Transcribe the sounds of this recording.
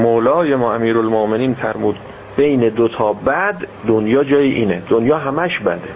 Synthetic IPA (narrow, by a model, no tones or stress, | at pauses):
moːlɒːjemɒːæmiːɾolmomeniːnfæɾmuːd̪ | b̥e̞jned̪ot̪ʰɒːbæd̪ːonjɒːd͡ʒɒːjiːʔiːned̪onjɒːɦæmæʃbæ̰d̪e